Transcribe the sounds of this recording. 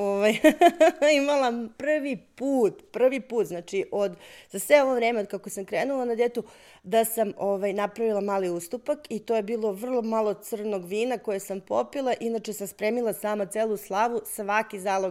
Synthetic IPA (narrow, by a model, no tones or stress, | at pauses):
oʋaj | imalˠapr̩ʋipuːt̪pr̩ʋipuːt̪znaːt͡ʃiʔo̞d̪z̥asʋeo̞ʋo̞ʋɾe̞ːmeod̪kakosamkɾeːnulˠanad̪et̪u | d̪asamoʋajnapɾaʋilˠamaːliust̪upakit̪oje̞biːlˠo̞ʋr̩lˠo̞malˠosɨr̩no̞ɡʋiːnako̞jesampo̞pilˠaʔinat͡ʃesamspɾeːmilˠasaːmat̪seːlˠuslˠaʋusʋakizaːlo